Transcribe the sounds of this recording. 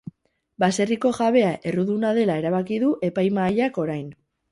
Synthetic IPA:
base̞riko̞ʝaβe̞aʔe̞ruðunaðe̞lae̞ɾaβ̞akiðuʔe̞pajmaːʎako̞ɾajn

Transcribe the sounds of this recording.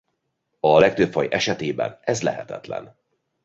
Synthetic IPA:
ɒlɛk̚t̪øpfɒjʔɛʃɛt̪eːbɛ̰nɛzlɛɦɛt̪ɛt̪lɛ̰n

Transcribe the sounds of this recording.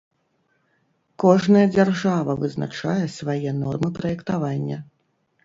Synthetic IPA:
kɔʐnɐjɐd͡zʲarʐavɐvɨzna̰t͡ʂajɛsvajɛnɔrmɨpɾɐjɛkt̪avanʲːɐ

